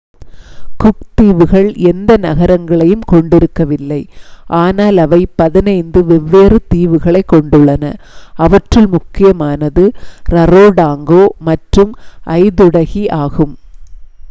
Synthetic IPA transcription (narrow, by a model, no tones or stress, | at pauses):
kʊk̚t̪iːʋɯɣɐɭɛnd̪ɐnɐɣɐɾɐŋɡɐɭɐjɯmkɔɳɖɪɾɯkːɐʋɪlːɐɪʔaːnaːlɐʋɐɪpɐðɪnɐɪnd̪ɯʋɛʋːeːrɯt̪iːʋɯɣɐɭɐɪkːɔɳɖɯɭːɐnɐɐʋɐʈrɪlmʊkːɪjɐmaːnɐðɯɾɐroːɽaːŋɡoːmɐʈrɯmʔɐɪðʊɽɐɣiʔaːɣɯm